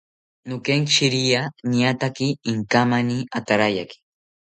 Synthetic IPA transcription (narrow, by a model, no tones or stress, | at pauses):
nʊkeŋkʃiɾianiat̪akiːŋkamaniat̪aɾajaki̥